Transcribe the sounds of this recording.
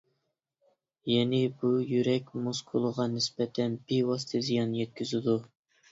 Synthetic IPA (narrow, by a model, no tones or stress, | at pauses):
jɛnɪbujyɾɛkʲmoskʰulˠəʁɑnɪsbɛt̪ʰɛnbiwɑst̪ʰɨzijɑnːjɛt̪̚kʲʰyzɪd̪u